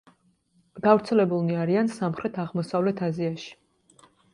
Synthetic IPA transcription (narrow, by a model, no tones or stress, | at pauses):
ɡavɾt̪sʰɛlɛbulˠniaɾiansamχɾɛt̪ʰaʁmɔsavlɛt̪ʰaziaʃi̥